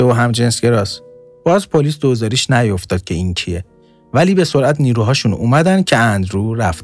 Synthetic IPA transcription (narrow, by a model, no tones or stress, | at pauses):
eoɦæmd͡ʒensɡe̞ɾɒːs | b̥ɒːzpʰoliːsd̪ozɒːɾiːʃnæjo̞ft̪ɒːd̪̥̚kcʰe̞incʰie | væliːbe̞so̞ɾʔæt̪ʰniːɾuːɦɒːʃunṵːmæd̪ænd̪̚cʰeænd̪ɾuːɾæft̪